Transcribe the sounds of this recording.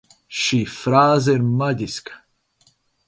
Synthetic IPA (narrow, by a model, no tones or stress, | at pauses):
ʃifɾaːzeɾmɐd̪isk